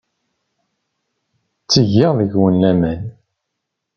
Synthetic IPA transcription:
t͡sːəʝːɪʁðəʝwənlæmæn

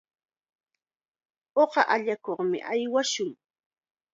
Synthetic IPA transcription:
oɢɑʔaʎakoχmɪ̰ʔajwaʃʊŋ

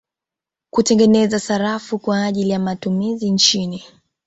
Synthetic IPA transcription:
kutɛŋɡɛnɛzasaɾafukwaːʄilijamatumizint͡ʃini

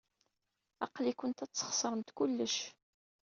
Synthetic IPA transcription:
ɑ̰qlikʊnt̪æt͡sːə̥χsˤəɾˤənt̪kʊlːəʃ

